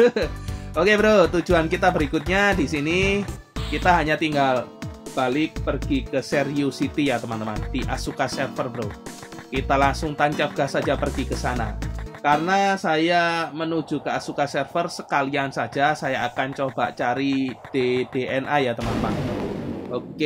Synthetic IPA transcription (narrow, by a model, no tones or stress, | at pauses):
okebəɾot̪u̥d͡ʒuankit̪abəɾikʊt̪̚ɲadisini | kit̪aɦaɲat̪iŋɡalb̥alɪk̚pərɡ̥ikəsɛriusit̪ijat̪əmant̪əma̰nd̥iʔasukasɛrfərbəɾo | kit̪alaŋsʊŋt̪aɲt͡ʃaf̚ɡ̥ahsad͡ʒapərɡikəsana̰karənasajamənu̥d͡ʒ̥ṳkəasukasɛrfərsə̥kaliansḁd͡ʒasajaakant͡ʃob̥a̰ʔt͡ʃaɾid̥ed̥eʔɛnʔajat̪əmant̪əma̰nmanʔoke